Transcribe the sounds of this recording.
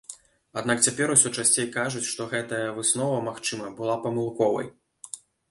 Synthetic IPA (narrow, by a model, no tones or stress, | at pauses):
ad̪nakt͡sʲapʲɛɾusʲɔt͡ʂasʲt͡sʲejkaʐut͡sʲʂt̪ɔɣɛt̪ɐjɐvɨsnɔvɐmaxt͡ʂɨmɐbɨlˠapɐmɨlˠkɔvɐ̰j